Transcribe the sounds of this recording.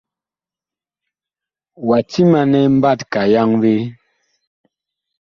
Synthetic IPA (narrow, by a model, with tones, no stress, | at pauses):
wa˨ti˦ma˨nɛ˦m˦ba˦˨tka˨ja˦ŋwe˦